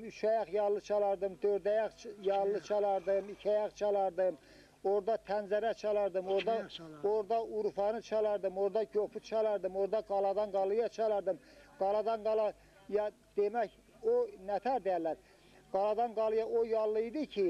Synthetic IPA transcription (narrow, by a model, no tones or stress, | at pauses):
yt͡ʃʰæjɑχjɑlːˠɯt͡ʃʰɑlˠɑɾd̪ɯmd̪øɾd̪æjɑχjɑlˠːɯt͡ʃʰɑlˠɑɾd̪ɯmicʲʰæjɑχt͡ʃʰɑlˠɑɾd̪ɯm | oɾd̪ɑt̪ʰænzæɾæt͡ʃʰɑlˠɑɾd̪ɯmoɾd̪ɑoɾd̪ɑuɾfɑnɯt͡ʃʰɑlˠɑɾd̪ɯmoɾd̪ɑɟopʰut͡ʃʰɑlˠɑɾd̪ɯmoɾd̪ɑɡɑlˠɑd̪ɑnɡɑlˠɯjɑt͡ʃʰɑlˠɑɾd̪ɯm | ɡ̥ɑlˠɑd̪ɑnɡɑlˠɑ | jɑ | d̪̥emæk | onæt̪ʰæɾd̪ejælːæɾ | ɡ̥ɑlˠɑd̪ɑnɡɑlˠɯjɑʔojɑlˠːɯid̪icʰi